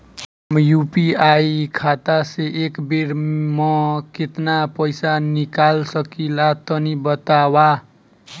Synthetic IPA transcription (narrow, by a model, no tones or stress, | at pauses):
mjupiajkʰat̪aseʔekbiɾmʌket̪napʌjsanikalsʌkilat̪ʌnibʌt̪awa